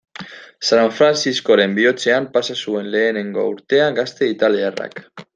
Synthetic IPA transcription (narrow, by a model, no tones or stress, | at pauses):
saɱfɾansisko̞ɾe̞mbio̞t͡se̞ampasasue̞nle̞ːne̞ŋɡo̞̰uɾt̪e̞aŋɡast̪e̞it̪aliara̰k